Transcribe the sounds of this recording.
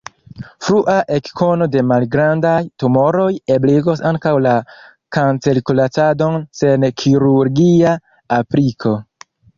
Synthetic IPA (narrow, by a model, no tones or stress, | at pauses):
fɾuʔaʔe̞kkʰo̞no̞de̞malɡɾandajtumo̞ɾo̞jebliɡo̞saŋkawla | kant͡selikulat͡sado̞nse̞nkʰiɾuɾɡia | apɾikʰo̞